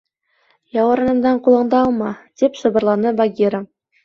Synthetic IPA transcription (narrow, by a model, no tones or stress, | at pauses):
jɑwɑɾɑnɤ̆md̪ɑɴqulˠɤ̆ɴd̪ɑːlˠmɑd̪ipsŏbɤ̆ɾlˠɑnɤbaɡʲiɾə